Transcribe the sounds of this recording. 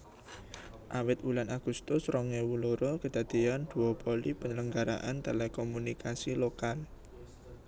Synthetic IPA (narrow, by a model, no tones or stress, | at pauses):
ʔawɪt̪wulanaɡ̥ṳst̪ʊsɾɔŋewuloɾɔkəd̪̥a̤d̪̥ijand̪̥ṳɔpɔlipəɲələŋɡaɾa̰ʔant̪elɛkɔmunikasilokal